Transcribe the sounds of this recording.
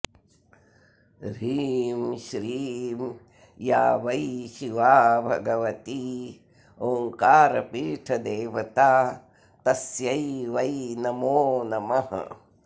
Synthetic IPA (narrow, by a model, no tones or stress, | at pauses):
ɾiːmʃɾiːm | jaːʋɐiʃiʋaːbʱɐ̰ɡɐʋɐt̪iː | oːŋkaːɾɐpiːʈʰɐd̪eːʋɐt̪aː | t̪ɐsjɐjʋɐjnɐmoːnɐmɐɦɐ̰